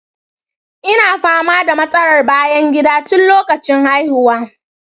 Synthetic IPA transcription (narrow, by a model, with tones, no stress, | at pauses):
ʔɪ˦naː˨ɸaː˦maː˦da˨mɐ˦sʼɐ˦ɽɐ˨rbaː˦jɐ˦ŋɡʲɪ˦daː˦tʊ˦nloː˦kɐ˨t͡ʃɪ˦ŋha˦jhʊ˨waː˦